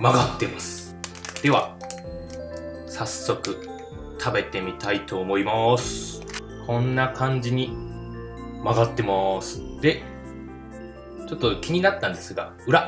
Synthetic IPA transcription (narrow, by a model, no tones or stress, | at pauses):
maɡat̪ːe̞masɨ̥ | d̪̥e̞βa | sasːo̞kɯ̟ | t̪ʰabe̞t̪e̞mʲit̪ait̪o̞ːmo̞imasɨ̥ | kʰõ̞nːakʰãɲ̟d͡ʑiɲ̟i | maɡat̪ːe̞maːsɨ̥d̪̥e̞ | t͡ɕo̞t̪ːo̞kʲiɲ̟inat̪ːãnd̪e̞sɨɡa̰ | ɯ̟ɾa